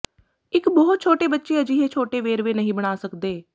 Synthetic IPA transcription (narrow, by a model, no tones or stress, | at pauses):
ɪkbɔɦʊt̪̚t͡ʃʰoːʈeːbətːʃeːəd͡ʒiːɦeːt͡ʃʰoːʈeːʋeːɾʋeːnəɦĩːbəɽ̃aːsəkd̪eː